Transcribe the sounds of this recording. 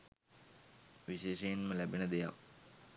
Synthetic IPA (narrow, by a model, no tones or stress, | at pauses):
ʋiɕeːʃɐjinməlæbɐnəd̪eja̰k